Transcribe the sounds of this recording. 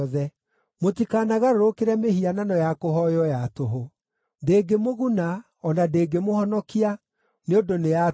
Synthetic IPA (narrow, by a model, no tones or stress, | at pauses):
ðɛ | motikaːnaɣaɾoɾokeɾɛmeɦiananɔjakoɦɔjɔjatoɦo | ndeːɡemoɣuna | ɔnadeːɡemohɔnɔkia | neodoneja